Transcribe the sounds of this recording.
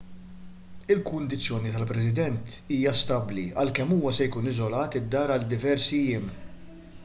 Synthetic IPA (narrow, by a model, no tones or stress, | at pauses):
ɪlkʊnd̪ɪt͡sːjɔːnit̪ɐlpɾɛs̬ɪd̪ɛnt̪iːjɐst̪ɐbliɐ̰lkɛmːuːwɐsɛjkuːnɪzɔlɐːt̪ɪd̪ːɐːɾɐld̪ɪvɛɾsijɪm